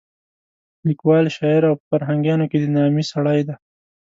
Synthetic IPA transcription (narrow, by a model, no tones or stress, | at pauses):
likwɑlʃɑɪɾawpəfaɾɦaŋɡjɑnoked̪ənɑmisaɽajd̪a